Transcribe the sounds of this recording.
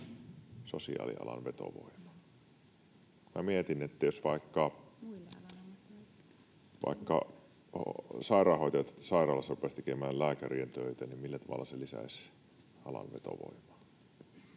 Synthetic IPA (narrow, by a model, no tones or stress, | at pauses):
sosiɑ̰ːlḭɑ̰lɑ̰nʋet̪o̰ʋo̰imɑ | mmæmiet̪inet̪ːæjosʋɑikːɑ | ʋɑ̰ikːɑ̰ | hsɑirɑːhoit̪ɑjt̪sɑirɑːlːɑsɑrupest̪ekemæːllæːkærient̪øit̪ænimmilːæt̪ɑʋɑ̰lːˑɑselisæ̰is | ɑlɑ̰nʋet̪o̰ʋo̰imˑɑ̥